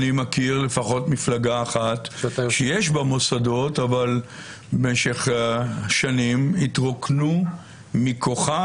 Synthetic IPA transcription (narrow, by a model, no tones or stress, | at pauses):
nimakiʁle̞faχo̞tmiflaɡaːχatʃejeʃbamo̞sad̪o̞taval | beʃe̞χʃanimit̪ʁo̞knu | mikʰo̞χa